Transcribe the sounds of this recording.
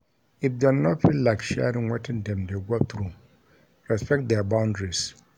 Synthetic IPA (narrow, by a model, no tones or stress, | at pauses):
ɪfdɛnɔfilaɪkʃɛ̰ɾɪ̃ŋwetʰɪ̃ndɛ̃mdeɡɔθɾu | ɹɛspɛk̚t̚dɛabãʊ̃ndɹis